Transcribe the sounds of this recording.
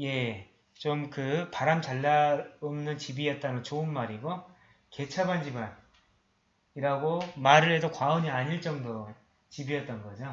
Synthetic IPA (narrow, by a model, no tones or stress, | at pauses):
je̞ | t͡ɕomkɯpaɾamt͡ɕaɭːaomnɯnt͡ɕibijʌt̚t͈anɯt͡ɕoɯnmaɾiɡo | ke̞t͡ɕʰaband͡ʑiban | iɾaɡomaɾɯɭɦe̞dokwaoɲiaɲiɭt͡ɕ͈ʌŋdo | t͡ɕibijʌt̚t͈ʌnɡʌd͡ʑo